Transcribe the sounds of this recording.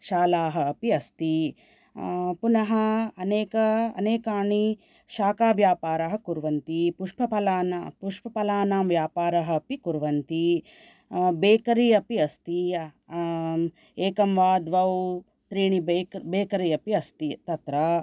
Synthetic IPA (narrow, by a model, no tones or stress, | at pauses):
ʃaːlaːɦɐ̆ːpiɐst̪i | punɐɦɐɐneːkɐɐ̰neːkaːɳi | ʃaːkaːʋjaːpaːɾɐɦɐkuɾʋɐnt̪ipuʂpɐpɐlaːnapuʂpɐpɐlaːnaːmʋjaːpaːɾɐɦɐ̆ːpikuɾʋɐnt̪i | beːkɐɾiːɐpiɐst̪i | eːkɐmʋaːd̪ʋɐw | t̪ɾiːɳibbeːkɐɾiːɐpiɐst̪it̪ɐt̪ɾɐ